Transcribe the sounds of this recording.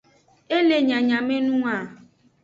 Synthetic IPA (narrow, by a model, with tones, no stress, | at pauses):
e˦le˨ɲã˨ɲã˨me˦nũ˦a˨